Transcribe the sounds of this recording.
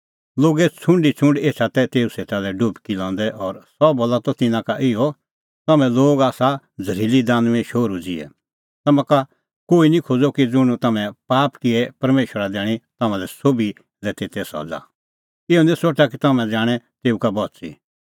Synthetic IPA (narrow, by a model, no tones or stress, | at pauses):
loːɡɛt͡sʰʊ̃ɳɖit͡sʰʊ̃ɳɖeːt͡ʃʰat̪ɛt̪eːuseːt̪alɛɖʊpkilɔ̃ːnd̪ɛʔɔːɾsɔboːlat̪ɔt̪ɪnãkaʔɪɔ | t̪ɐmɛ̃loːɡaːsa | d͡zʱɐɾiːlid̪aːnũɛ̃ʃoːɾud͡zɪɛ̰ | t̪ɐmãka | koːinĩkʰoːd͡zokid͡zʊɽ̃t̪ɐmɛ̃paːpkɪɛpɐɾmeːʃəɾad̪ɛːɽ̃it̪ɐmãlɛsoːbi | lɛt̪eːt̪ɛsɔ̰d͡za̰ | ɪɔnĩsoʈakit̪ɐmɛ̃d͡zaːɽ̃ɛt̪eːukabɔːtsḭ